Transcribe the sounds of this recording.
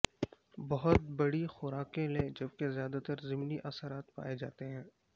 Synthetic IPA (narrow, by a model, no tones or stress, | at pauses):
bɐɦʊt̪̚bɐɽixʊɾaːkẽlẽːd͡ʒɐb̚kezjaːd̪at̪əɾzɪmniʔɐsəɾaːt̪pa̰ːed͡ʒa̰ːt̪eɦɛ̃ː